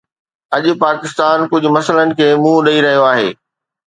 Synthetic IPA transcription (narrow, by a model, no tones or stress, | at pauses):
ɐʄʊpaːkɪst̪aːnkʊd͡ʑʱʊ̆mɐsələnɪ̆kʰeːmũːɗɐiɾɐɦijoaːɦḛː